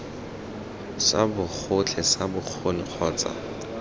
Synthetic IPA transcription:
sa̰bʊk͡xʰʊt͡ɬʰɛsabʊk͡xʰonɪk͡xʰɔːt͡sa̰

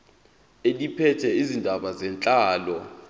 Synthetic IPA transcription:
elipʰɛtʰɛizindʱaɓazɛnt͡ɬʼaːlɔ

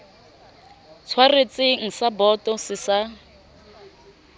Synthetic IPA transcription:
t͡sʰwaret͡sʼɪŋ̩sabɔtɔsɪsa

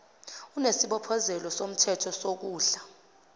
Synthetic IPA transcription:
unesiɓɔpʰɔzɛlɔsom̩tʰɛtʰɔsok̬uːɬa

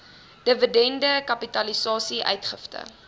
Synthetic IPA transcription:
d̥əvədɛndəkɐpitɐlisɑːsiʔœ̰ɥtχəftə̰

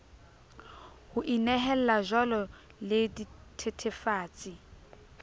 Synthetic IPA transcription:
hʊʔinɛɦɛl̩laʒɔlɔ | leditʰetʰefaːt͡sʼi

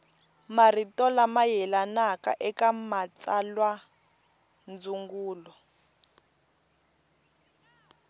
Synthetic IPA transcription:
maritɔlamajɛlanaka̰ʔɛkamat͡salwa | nd͡zuŋɡuːlɔ

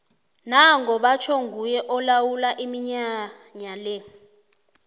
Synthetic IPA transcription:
naŋʱɔɓat͡ʃʰɔŋɡʱujɛʔɔlawulaʔimiɲaɲalɛ

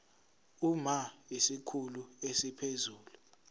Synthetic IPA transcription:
umaisikʰuluesipʰezuːlu

